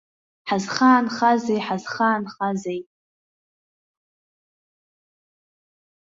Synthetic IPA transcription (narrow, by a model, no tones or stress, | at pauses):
ħazχaːnχazejħazχaːnχazejtʼ